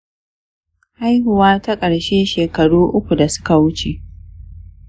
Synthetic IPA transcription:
ha˦jɦʊ˨waː˦ta˦kʼɐ˨ɽʃeː˦ʃeː˨kɐ˨ɽuː˦ʔʊ˦kʷu˨da˨sʊ̥˦ka˨wʊ˦t͡ʃe˨ʔ

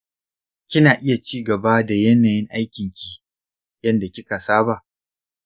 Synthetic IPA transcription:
kʲɪ˦naː˨ʔɪ˦ja˨t͡ʃiː˦ɡɐ˨ba˦da˨jɐ˦naː˨jɪ˦ŋʔa˦jkʲɪ˨ŋkʲi˨ | jɐ˦nda˨kʲɪ˦ka˨saː˦ba˨ʔ

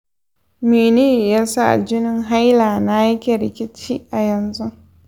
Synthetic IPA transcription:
meː˨niː˦˨ja˦sa˦ʔa̰˨d͡ʒɪ˦nɪ˦ŋɦa˦jlaː˨na˦jɐ˦kʲe˨ɾɪ˨kʲɪ˦t͡ʃiː˦ʔa˨jɐ˨nzu˦

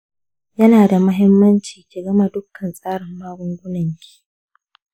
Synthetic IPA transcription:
jɐ˦naː˨da˨mʊ˦ɦɪ˦mːɐ˦nt͡ʃiː˨kʲiː˨ɡɐ˦ma˨dʊ˦kʰːɐ˨nsʼaː˦ɽɪ˨mːaː˦ɡʷʊ˦ŋɡʷʊ˦nɐ˨ŋkʲi̥ː˨

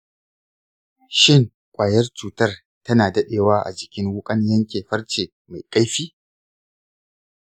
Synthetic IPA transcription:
ʃɪ˦˨ŋ | kʷʼaː˨jɐ˦rt͡ʃuː˨tɐ˦˨r | tɐ˦naː˨dɐ˦ɗeː˨waː˦ʔa̰˨d͡ʒɪ˨kʲɪ˦ŋwʊ˦kʼɐ˦ɲjɐ˦ŋkʲeː˨ɸɐ˦rt͡ʃeː˨ | ma˨jkʼa˦jɸiː˦

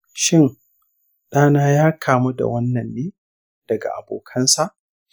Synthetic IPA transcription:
ʃɪ˦ŋ | ɗaː˦naː˦jaː˦kʰaː˨mu˦da̰˨wɐ˦nːɐ˨nːeː˦ | d̥ɐ˨ɡa̰˨ʔa̰˨boː˨kʰɐ˦nsa˦˨ʔ

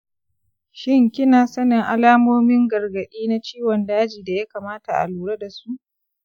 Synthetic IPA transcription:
ʃɪ˦ŋkʲɪ˦naː˨sɐ˦nɪ˨ŋʔa˦laː˦moː˦mɪ˦ŋɡɐ˨rɡɐ˨ɗiː˦na˦t͡ʃiː˦wɔ˨ndaː˦d͡ʒiː˨da˨ja˦kaː˨maː˦ta˨ʔa̰˨luː˨ɽa˦da˨su˦ʔ

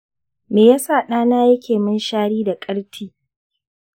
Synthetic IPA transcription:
meː˨ja˦saː˦˨ɗaː˦naː˦jɐ˦kʲeː˨mɪ˦nʃaː˦ɽiː˦da˨kʼɐ˦ɽtʰiː˦

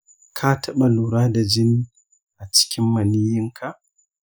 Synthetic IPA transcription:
kʰaː˦tʰɐ˦ɓa˨luː˨ɾaː˦da˨d͡ʒɪ˦n˦ | ʔa˨t͡ʃɪ̥˦kʲɪ˦mːɐ˨niː˦jɪ˦ŋkʰa˨ʔ

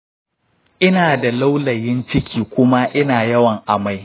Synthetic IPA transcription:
ʔɪ˦naː˨da˨la˦wlɐ˨jɪ˦nt͡ʃɪ˦kʲiː˨kʷʊ˦ma˦ʔɪ˦naː˨jɐ˦wɐ˨ŋʔa˨ma˦j

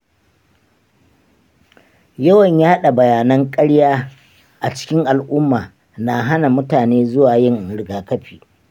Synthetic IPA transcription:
jɐ˦wɐ˨ɲjaː˦ha˦ɗa˨bɐ˨jaː˨nɐ˦ŋkʼɐ˦ɽjaː˦ | ʔa˨t͡ʃɪ̥˦kʲɪ˦ŋʔa˨lʔʊ˦mːaː˨ | na˨ɦa˦na˨mʊ˦taː˨neː˦zʊ˦waː˨jɪ˦ŋɽɪ˨ɡaː˨kɐ˦ɸiː˨

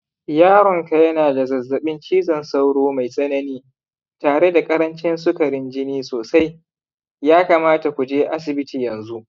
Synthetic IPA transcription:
jaː˦ɾɔ˨ŋka˨jɐ˦naː˨da˨zɐ˨zːɐ˨ɓɪ˦nt͡ʃiː˦zɐ˨nsa˦wɽoː˦ma˨jsʼɐ˦nɐ˦niː˦ | taː˨ɽe˦da˨kʼɐ˦ɾɐ˦nt͡ʃɪ˦nsʊ˦kɐ˨ɽɪ˦nd͡ʒɪ˦niː˦soː˨sa˦j | jaː˦kaː˨maː˦ta˨kʷu˨d͡ʒeː˦ʔa˦s̬ɪ˨bɪ˦tiː˨jɐ˨nzu˦ʔ

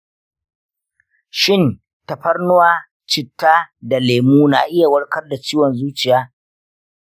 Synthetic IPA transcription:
ʃɪ˦˨n | tɐ˨ɸɐ˦rnʊ˦waː˦ | t͡ʃɪ˨tːaː˦da˨leː˨muː˦na̰ː˨ʔɪ˦ja˨wɐ˦ɽkɐ˦rda˨t͡ʃiː˦wɔ˨nzuː˦t͡ʃɪ˨jaː˦

